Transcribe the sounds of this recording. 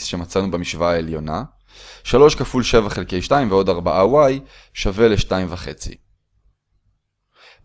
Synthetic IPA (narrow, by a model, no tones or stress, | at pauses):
sʃe̞mat͡sanubemiʃvaːeljo̞na | ʃalo̞ʃkafulʃe̞vaχelke̞jʃtaimveo̞daʁbaʔawaj | ʃave̞leʃtaimvaχe̞t͡sḭ